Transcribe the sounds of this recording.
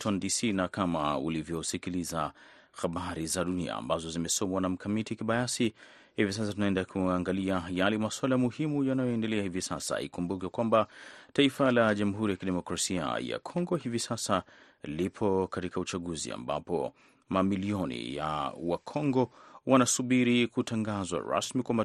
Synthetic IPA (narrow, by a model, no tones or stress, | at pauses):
tɔndisinakamaṵlivjɔsikiliza | xaɓaɾizaɗunia̰ːmbazɔzimɛsɔmwanam̩kʰamitikiɓajasi | hivis̬asatunaɛndakuaŋɡaliajalɛmaswalamuhimujanajɔɛndɛlɛahivisasa̰ḭkumbukɛkwambataifalaʄamuɦuɾijakiɗɛmɔkɾasia̰ja̰kʰɔŋɡɔhivisasa | lipʰɔkatikaut͡ʃaɠuzḭa̰mba̰pɔ̰ | mamiliɔnḭja̰wakʰɔŋɡɔwʔanasuɓiɾikutaŋɡazwa̰ɾa̰smikwamba